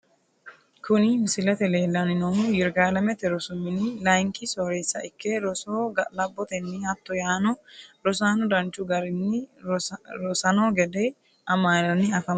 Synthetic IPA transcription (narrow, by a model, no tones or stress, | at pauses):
kʰʊnɪmɪsɪlɐt̪ɛleːlːɐnɪnɔjɪɾɡaːlɐmɛt̪ɛɾɔsʊmːɪnɪlɐjŋkɪsoːɾeːsːɐʔɪkːɛɾɔsoːɡɐlɐbːɔt̪ɛnːɪhɐt̪ːɔjaːnɔɾɔs̬aːnʊd̪ɐnt͡ʃːʊɡɐɾɪnːɪ | ɾɔsɐnoːɡɛd̪ɛ | ʔɐmaːnɐnːɪɐfɐm